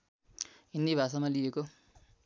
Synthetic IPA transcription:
ind̪ibʱasamalijeko

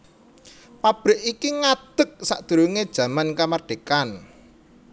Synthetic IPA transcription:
pab̥ɾɪ̤ʔikiŋad̪̥ə̤k̚sa̰ʔd̪̥ṳɾuŋed̥ʒ̥ä̤mankamarɖ̥e̤kan

